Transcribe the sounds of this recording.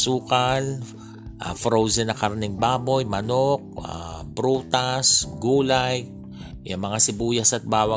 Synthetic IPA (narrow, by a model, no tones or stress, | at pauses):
suːkɐl | ʔa̰fɾowsɛnɐkaɾnɛŋbaːbo̞jmɐnok̚a̰bɾuːt̪asɡuːlaj | ʔʊŋmɐŋasɪbuːjɐsɐt̪̚baːwɐ